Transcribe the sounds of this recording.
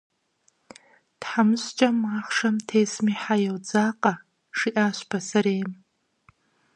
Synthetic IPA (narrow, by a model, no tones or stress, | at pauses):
d̥ħamʃʷt͡ʃʼamaχʂamtʰejsmiħajawd͡zaqʼa | ʂiʔaʃʷpʰasaɾejm